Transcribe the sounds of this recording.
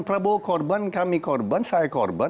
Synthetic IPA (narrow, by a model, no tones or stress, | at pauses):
pɾɐbokɔɾbənkamikɔɾbənsajkɔɾbə